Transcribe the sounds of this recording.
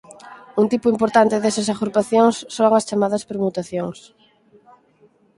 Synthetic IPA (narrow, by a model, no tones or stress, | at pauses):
unt̪ipʊimpoɾt̪ant̪ɪðesɐsaɣuɾpaθjoŋsːoŋɐst͡ʃamaðɐspeɾmut̪aθjoŋs